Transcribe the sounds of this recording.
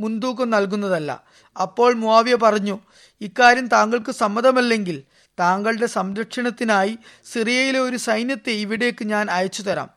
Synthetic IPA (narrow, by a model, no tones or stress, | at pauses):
mund̪uːkːɐmnɐlk̬unːɐðɐlːɐ̰ | ɐpːo̞ːɭmuaːʋjɐpɐrɐɲːu | ikːaːɾjɐmt̪aːŋɡɐɭkɨsɐmːɐðɐmɐlːe̞ŋɡil | t̪aːŋɡɐɭɽe̞sɐmɾɐkʂɐɳɐt̪ːinaːjisirijɐjileo̞ɾusɐjnjɐt̪ːeiʋiɽe̞kːɨɲaːnɐjɐt͡ɕːut̪ɐɾa̰ːm